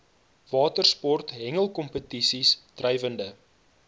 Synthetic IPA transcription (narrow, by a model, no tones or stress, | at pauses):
vɑːtərspɔrtɦɛŋəlˠkɔmpətisistrɛjvəndə